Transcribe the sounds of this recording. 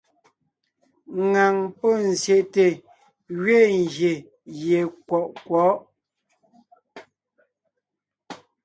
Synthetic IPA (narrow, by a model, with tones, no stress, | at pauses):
ŋa˨ŋpɔ˦˨n˨zje˨ʔte˨ | ɣɥe˦˨ŋ˨ɡje˨ | je˨kwɔ˨ʔkwɔ˨˦ʔ